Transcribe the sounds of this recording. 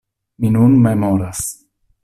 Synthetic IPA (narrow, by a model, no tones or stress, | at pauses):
minunmemoɾas